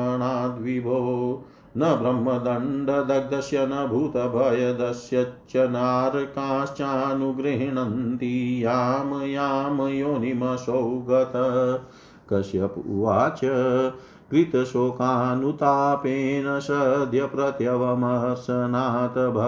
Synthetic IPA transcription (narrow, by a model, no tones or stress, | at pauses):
ɳaːd̪ʋibʱoː | nɐbɾɐmːɐd̪ɐɳɖɐd̪ɐɡ̚d̪ɐsjɐnɐbʱut̪ɐbʱɐjɐd̪ɐsjɐt͡ʃɐnaːɾkãːst͡ʃaːnuɡɾeɦɳɐnt̪ijaːmɐjaːmɐjoːnimɐsowɡɐt̪ɐ | kɐsjɐpṵʋaːt͡ʃɐ | kɾit̪ɐsoːkaːnut̪aːpeːnɐsɐd̪ʱjɐpɾɐt̪jɐʋɐmɐɦɐɾsɐnaːt̪ɐbʱɐ